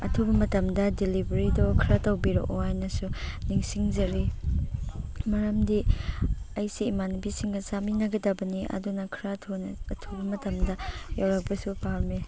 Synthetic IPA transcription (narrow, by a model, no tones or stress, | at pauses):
ɐtʰubɐmɐtɐmdɐdilibɐɾidɔkʰɾatɐwbiɾɔ̰ʔohajnɐsuniŋsiŋzɐɾi | mɐɾɐmdi | ɐjsiːmanbisiŋɡɐsaminɐɡɐdɐbɐniʔɐ̰dunɐkʰiɾatʰonɐɐtʰubɐmɐtɐmdɐjawɾɐk̚pɐsupaɾmi